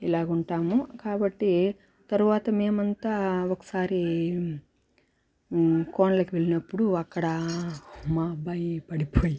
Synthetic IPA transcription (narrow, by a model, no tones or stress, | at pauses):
ilaːɡuɳʈaːmukaːbɐʈːi | t̪ɐɾuʋaːt̪ɐme̞ːmɐnt̪aːokɐ̥saːɾi | koːɳɐlɐkiʋe̞ɭinɐpːuɽuɐkːɐɽɐ | maːbɐjpɐɽipoːji